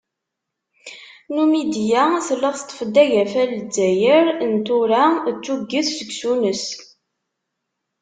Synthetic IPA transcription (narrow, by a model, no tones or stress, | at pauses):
numid̪jæθəlːəʁθt̪ˤːə̥fəd̪ːæʝæfæləd͡zæjəɾnt̪ʊɾæt͡sːuɡːəθsəɡsunəs